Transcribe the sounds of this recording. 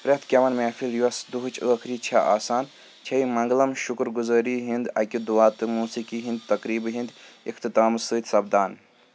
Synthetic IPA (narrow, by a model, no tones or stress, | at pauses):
pɾʲɐt̪ʰkʲɐʋɐnmeːfʰiljuɐsd̪uɦt͡ʃʰəːkʰɾiːt͡ʃʰɐʔaːsaːn | t͡ʃʰɐimɐŋɡlɐmʃukɾɡuzəːɾiːɦind̪ɐkʲid̪uʋaːt̪ɨmuːsikiːɦĩnd̪t̪ɐkɾiːbɦind̪ḭkʰt̪ɨt̪aːmsɨːt̪ʲsɐb̚d̪aːn